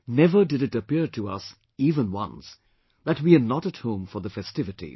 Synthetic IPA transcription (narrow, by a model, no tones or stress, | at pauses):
nɛvə˞dɨɾɨtəpɪɹtʰɨʌ̰s | ivə̃nwʌ̰̃ns | ðɨtwiənəɾɨt̚hõʊ̃ɱfə˞ðəfɛstɪvɨtḭ